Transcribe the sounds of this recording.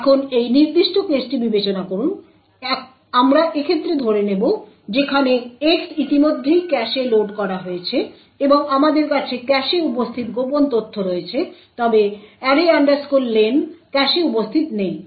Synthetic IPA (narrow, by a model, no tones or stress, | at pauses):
ɛkʰonejniɾd̪iʃʈokesʈibibet͡ɕonakoɾun | amɾaʔekʰet̪ːɾed̪ʱoɾenebo | d͡ʑekʰaneeksit̪imod̪ʱːejkɛʃeloɖkɔɾaɦoet͡ɕʰe | eboŋamad̪eɾkat͡ɕʰekɛʃeupost̪ʰit̪ɡopont̪ot̪ʰːoɾoet͡ɕʰet̪ɔbeɛɾiaɳɖaɾskulːenkɛʃeupost̪ʰit̪nej